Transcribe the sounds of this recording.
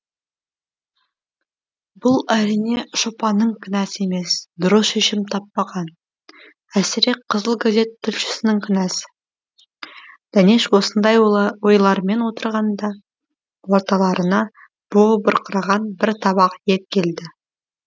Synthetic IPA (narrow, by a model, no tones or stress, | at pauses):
bʊlˠæɾijne̞ʃopɑnəɴkʲʰʏnæsɪe̞me̞sd̪ʊɾəsʃeʃɪmt̪ʰɑpːɑʁɑn | æsɪɾe̞qʰəzəlˠɡaze̞t̪ʰːʏlʃɪ̥sɪnɪŋkʲʰʏnæsɪ̥ | d̪̥ɑneʃwo̞sənd̪ɑjwo̞jlˠɑɾme̞nwo̞t̪əɾʁɑnd̪ɑ | wo̞ɾt̪ɑlˠɑɾənɑ | b̥obəɾqəɾɑʁɑnbɪɾt̪ʰɑbɑqje̞t̪̚kʲʰe̞ld̪ɪ